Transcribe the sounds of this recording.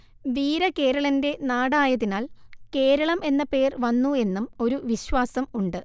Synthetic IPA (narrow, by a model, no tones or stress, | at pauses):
ʋiːɾɐke̞ːɾɐɭɐnde̞naːɽaːjɐðinaːlke̞ːɾɐɭɐme̞nːɐpe̞ːrʋɐnːue̞nːumo̞ɾuʋiɕʋaːsɐmuɳɖɨ